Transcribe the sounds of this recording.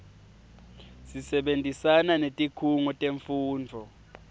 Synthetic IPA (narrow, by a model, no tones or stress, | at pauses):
sisɛɓentʼisananetʼikʰuŋɔtʼeɱfuːnd͡vʱɔ